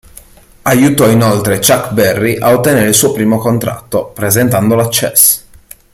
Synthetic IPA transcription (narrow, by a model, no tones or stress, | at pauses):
ajut̪ɔinolt̪ɾet͡ʃakːbɛrːiʔaot̪ːeneːɾeilsuːopɾiːmokont̪ɾa̰t̪ːopɾezent̪and̪olat͡ʃːɛ̰s